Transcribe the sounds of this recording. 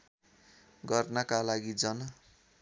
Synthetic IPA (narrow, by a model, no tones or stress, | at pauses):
ɡʌrnʌkalaɡid͡zʌn